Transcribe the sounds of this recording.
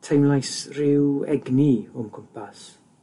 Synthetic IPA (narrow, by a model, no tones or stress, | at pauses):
tʰajmlˠajsrɪwɛɡniɔmkʰʊmpʰas